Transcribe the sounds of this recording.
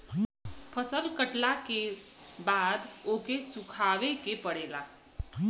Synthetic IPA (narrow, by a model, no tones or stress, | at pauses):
pʰəsəlkəʈlakebaːd̪oːkesʊkʰaːʋekepəɽeːla̰ː